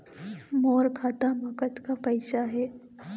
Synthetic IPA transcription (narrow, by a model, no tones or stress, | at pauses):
moːɾkʰaːt̪amɐkət̪kapɐɪʃaɦɛː